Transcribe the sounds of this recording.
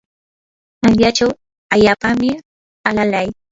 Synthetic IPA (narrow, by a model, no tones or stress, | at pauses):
anʎat͡ʃaw | aʎaːpamɪ | alalaj